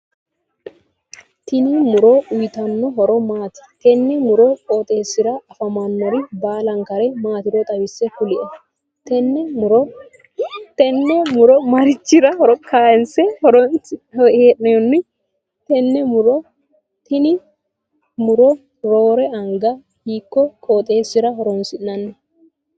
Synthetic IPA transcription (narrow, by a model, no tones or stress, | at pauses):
t̪ɪnɪmʊɾɔʔʊjt̪ɐnːɔɦɔɾɔmaːt̪ɪ̥t̪ɛnːɛmʊɾɔkʼoːt̪ʼe̞ːsɪɾɐɐfɐmɐnːɔɾɪbaːlɐŋkɐɾɛmaːt̪ɪɾɔt̪ʼɐwɪsːɛkʊlɪʔɛ | t̪ɛnːɛʊɾɔ | t̪ɛnːɛmʊɾɔmɐɾɪt͡ʃːɪɾɐhɔɾɔkaːɛnsɛhɔɾɔnheːʔɛjɔnːɪ | t̪ɛnːɛmʊɾɔ | t̪ɪnɪ | mʊɾɔ | ɾoːɾɛɐŋɡɐ | hiːkːɔkʼoːt̪ʼe̞ːsːɪɾɐhɔɾɔnsɪnːɐnːɐ